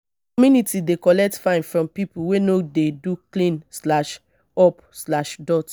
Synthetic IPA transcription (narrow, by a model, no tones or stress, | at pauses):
kɔmjunitidekɔlɛk̚tfãɪ̃nfɹɔ̃mpipuwenodeduklĩnslaʃ | ɔp | slaʃdɔt